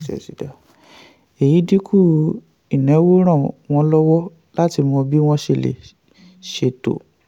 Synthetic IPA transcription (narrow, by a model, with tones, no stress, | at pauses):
ɛ̰˨si˨da˨ | e˨ji˨˦di˦kʰu˦˨ | i˨nɛ̃˨˦wo˦ɾ̃ã˦˨w̃ɔ̃˧lɔ˦wɔ˦ | la˦ti˧mɔ̃˧bi˦w̃ɔ̃˦ʃe˧˨lḛ˨ | ʃe˨to̰˨